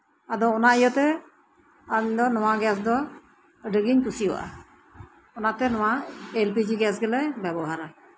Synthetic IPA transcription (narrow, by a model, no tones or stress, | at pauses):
ad̪ɔːnaijɔt̪ɛ | aɲd̪ɔnɔwaɡɛs̬d̪ɔ | ɖəɡiɲpusijɔʔa̰ | ɔnat̪ɛnɔwaelpid͡ʒiɡɛsɡɛlɛbɛbɔɦaɾa